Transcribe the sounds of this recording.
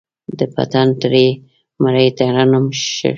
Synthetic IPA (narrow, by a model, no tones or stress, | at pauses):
d̪əpa̰t̪ant̪ɾe | maɾajt̪aɾanʊmʃə̰